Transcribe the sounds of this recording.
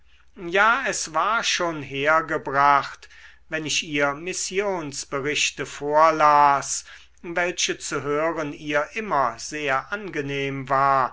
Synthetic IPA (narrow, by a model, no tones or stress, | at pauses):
jaːɛsv̥aːɐʃoːnɦeːɐɡəbʁaχt | vɛnɪɕʔiːɐmɪsjoːnsb̥əʁɪɕtəfoːɐlaːs | vɛlʃət͡suɦøːʁəniːɐʔɪmɐz̥eːɐʔanɡəneːmvaːɐ